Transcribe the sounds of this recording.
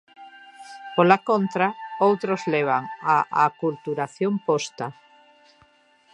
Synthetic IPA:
polakõnt̪ɾaowt̪ɾozleβ̞aŋaʔakult̪uɾaθjompost̪a

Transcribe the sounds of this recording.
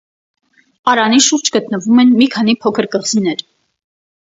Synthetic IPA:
ɑɾɑniʃuɾd͡ʒɡət̪nəvumɛnmikʰɑnipʰɔkʰəɾkəʁzinɛɾ

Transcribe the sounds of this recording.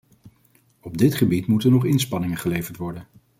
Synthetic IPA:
ɔb̚dɪtχəbitmutənɔχɪnspɑnɪŋəχəlejvəɹtʋɔɹdən

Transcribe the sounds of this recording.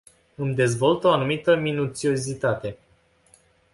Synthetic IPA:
ɨmd̪e̞zvo̞lt̪o̞anumit̪əminut̪sio̞zit̪at̪e̞

